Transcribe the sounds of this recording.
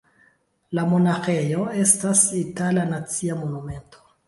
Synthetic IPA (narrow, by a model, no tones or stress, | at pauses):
lamo̞naxejo̞e̞stasitalanat͡siamo̞nume̞nto